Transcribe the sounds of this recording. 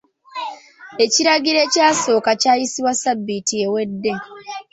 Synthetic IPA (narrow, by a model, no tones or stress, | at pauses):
e̞ciɾaɡiɾe̞caːso̞ːkacaːjisiwasabːitie̞we̞dːe̞